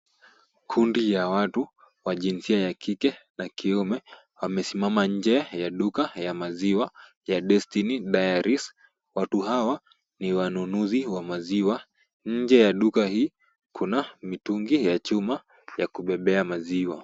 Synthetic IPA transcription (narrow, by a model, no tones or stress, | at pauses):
kʰundijawatu | waʄinsiajakikɛnakiumɛ | wamɛsimamaɲ̩d͡ʒɛjaɗukajamaziwa | jaɗɛstiniɗajaɾis | watuɦawa | niwanunuziwamaziwa | ɲ̩d͡ʒɛjaɗukahiː | kʰunamituŋɡijat͡ʃuma | jakuɓɛɓɛamaziwa